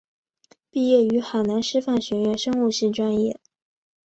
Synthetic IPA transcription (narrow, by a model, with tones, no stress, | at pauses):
pi˥˧jɛ˥˩y˧˥xa˨˩ɪna˧˥nʂɻ̩˥fa˥˩nɕɥɛ˧˥ɥɛ˧˥nʂɤ˥ŋu˥˧ɕi˥˩ʈ͡ʂwa˥njɛ̰˥˩